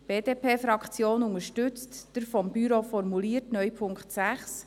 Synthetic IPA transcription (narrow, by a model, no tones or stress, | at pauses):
b̥eːdeːpʰeːfɾɑkt͡sjoːnʊŋəɾʃtʏt͡std̥əɾfɔmbyɾofɔɾmuliːəɾtnœjpʰʊŋktsæχs